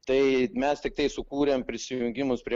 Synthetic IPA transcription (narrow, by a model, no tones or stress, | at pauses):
t̪ɐɪmʲɛst̪ʲɪk̚t̪ɐɪsʊkuːɾʲeːmpʲɾʲɪsʲɪjjjʊŋʲɡʲɪmʊspʲɾʲiɛ